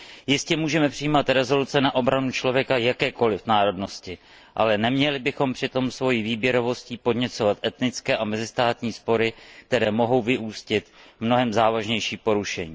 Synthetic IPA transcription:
jɪscɛmuːʒɛmɛpr̝̥ɪjiːmat̪ɾɛzo̞lut͡sɛnaʔo̞bɾanut͡ʃlo̞vjɛkajakɛːko̞lɪfnaːɾo̞dno̞scɪ | ʔa̰lɛnɛmɲɛlɪbɪxo̞mpr̥ɪt̪o̞msvo̞jiːviːbjɛɾo̞vo̞sciːpo̞dɲɛt͡so̞vat̪ʔɛt̪nɪt͡skɛːʔamɛzɪst̪aːt̪ɲiːspo̞ɾɪk̚t̪ɛɾɛːmo̞ɦo̞wvɪʔuːscɪt̪mno̞ɦɛmzaːvaʒɲɛjʃiːpo̞ɾuʃɛɲiː

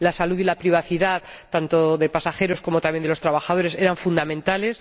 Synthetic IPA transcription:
lasaluðilapɾiβ̞aθiðaðt̪ant̪o̞ðe̞pasaxe̞ɾo̞sko̞mot̪amje̞nd̪elo̞st̪ɾaβ̞axað̞o̞ɾe̞se̞ɾaɱfund̪amẽnt̪ale̞s

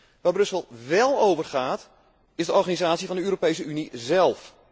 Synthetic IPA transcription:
ʋaːbrɵsəlˠʋɛlˠowvərχaːt | ɪzdəɔrχanizaːtsivɑndəøːɾopejs̬əynizɛlˠf

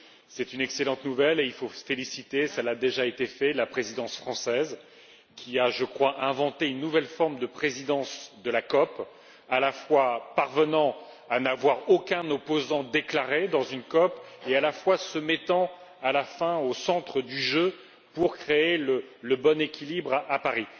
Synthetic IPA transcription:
sɛt̪ynɛkselɑ̃t̪nuvɛleilfofelisit̪esɛlad̪eʒaet̪efɛlapχezid̪ɑ̃sfχɑ̃sɛz | kʲʰiaʒəkχwaʔɛ̃vɑ̃t̪eynːuvɛlfɔʁmd̪əpχezid̪ɑ̃sd̪əlakɔp | alafwapaʁvənɑ̃ | anavwaʁokʲɛ̃nɔpozɑ̃d̪eklaʁed̪ɑ̃zynkɔpealafwasəmɛt̪ɑ̃ | alafɛ̃osɑ̃t̪χəd̪yʒø | puʁkχeelələbɔnekʲilibʁʔapaʁi

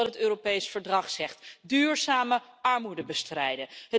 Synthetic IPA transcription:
tɦətøːropejsfəɹdrɑχsɛχtdyːɹzaːməɑɹmudəbəstrɛjdəɦə

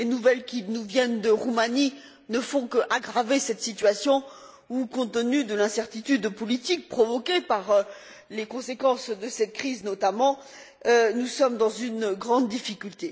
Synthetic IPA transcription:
lenuvɛlkʲinuvjɛnd̪əʁumani | nəfɔ̃kəʔaɡʁavesɛt̪sit̪ɥasjɔ̃ | ukɔ̃t̪ənyd̪əlɛ̃sɛʁt̪it̪yd̪pɔlit̪ik̚pχɔvɔkʲepaʁ | lekɔ̃sekɑ̃sd̪əsɛt̪̚kχiznɔt̪amɑ̃ | ønusɔmd̪ɑ̃zynɡʁɑ̃d̪ːifikʲylt̪e

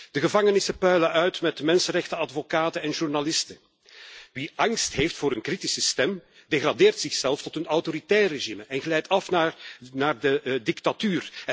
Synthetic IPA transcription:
d̥əɣəvɑŋənɪsəpœɥləʔœɥtmɛtmɛnsənrɛxtəɑdvokaːtənɛnʒurnalɪstə | ʋiʔɑŋstɦeːftfʊːɾənkritisəstɛm | deɣradeːrtsɪxsɛlˠftɔtənɔwtoɾitɛːrəreʒiməʔɛnɣəlɛjtɑfnaːrnaːrdədɪktatyːr

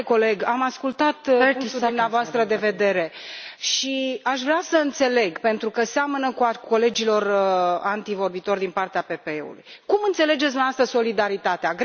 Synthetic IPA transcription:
ko̞le̞ɡamaskult̪at̪t̪ud̪umneavoast̪ɾəd̪e̞ve̞d̪e̞ɾe̞ʃiaʃvɾeasəɨnt̪se̞le̞ɡpe̞nt̪ɾukəseamənəkuko̞le̞d͡ʒilo̞rant̪ivo̞rbit̪o̞rd̪inpart̪eape̞pe̞eṵlṵjkumɨnt̪se̞le̞d͡ʒesd̪uneavast̪əzso̞lid̪aɾit̪at̪eaɡ

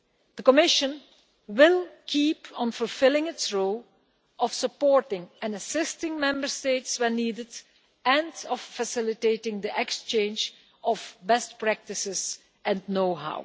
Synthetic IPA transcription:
d̥̪əkɔmɪʃə̃n | wɪlˠkʰiːpʰə̃nfʊlˠfɪlˠɪ̃ŋɪtsɹolˠ | ʔɔfsəpɔːɹtɪ̃ŋɛ̃nəsɪstɪ̃ŋmɛ̃mbəɹsteɪtswɛniːdɪd | ɛ̃ndɔfːəsɪlɪteɪtɪ̃ŋd̪iʔɛkst͡ʃẽɪ̃nd͡ʒ | ʔɔvbɛstpɹæk̚tɪsɪz | ɛ̃nnoʊɦa̰ʊ

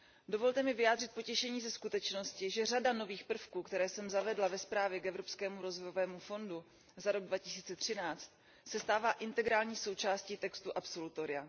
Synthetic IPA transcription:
do̞vo̞lt̪ɛmɪvɪjaːd̪r̝ɪt̪̚po̞cɛʃɛɲiːzɛskut̪ɛt͡ʃno̞scɪʒɛradano̞viːxpr̩fkuːkt̪ɛɾɛːsɛmzavɛdlavɛspɾaːvjɛkɛvɾo̞pskɛːmuɾo̞zvojo̞vɛːmufo̞ndu | zaɾo̞ɡ̚dvacɪsiːt͡sɛt̪r̝̥ɪnaːt͡st̪̚ | sɛst̪aːvaːʔɪnt̪ɛɡɾaːlɲiːso̞wt͡ʃaːsciːt̪ɛkst̪uʔapso̞lut̪oɾɪja

